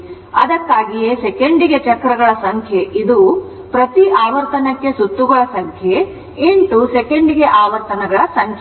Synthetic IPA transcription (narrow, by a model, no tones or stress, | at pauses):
ɐ̰d̪ɐkːaːɡijesekeɳɖiɡet͡ʃɐkːɾɐɡɐɭɐsɐŋkʰjeʔid̪u | pɾɐt̪iʔaːʋɐɾt̪ɐnɐkːe̞sut̪ːuɡɐɭɐsɐŋkʰje | iɳʈ̪usekeɳɖiɡe̞ʔaːʋɐɾt̪ɐnɐɡɐɭɐsɐŋkʰ